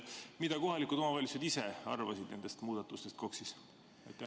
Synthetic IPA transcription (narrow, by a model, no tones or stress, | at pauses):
mid̪̥ɑko̞ɦɑlikud̪o̞mɑvɑlʲit̪sed̪iseɑ̰rvɑsid̪̥ne̞nd̪e̞st̪muːd̪̥ɑt̪ːˑust̪e̞st̪̚ko̞ksis | ɑjt̪ːˑæ